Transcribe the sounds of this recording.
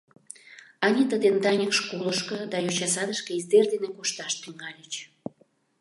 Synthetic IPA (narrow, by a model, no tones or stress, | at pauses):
ɑnʲit̪əd̪end̪ɑnʲəkʃkoləʃkɤ̆d̪ɑjot͡ɕɑsɑd̪əʃkĕizd̪erd̪enekoʃt̪ɑʃt̪yŋɑlʲət͡ɕ